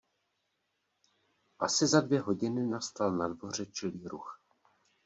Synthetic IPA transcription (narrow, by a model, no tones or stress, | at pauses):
ʔasɪzadvjɛɦo̞ɟɪnɪnast̪alnadvo̞r̝ɛt͡ʃɪliːɾux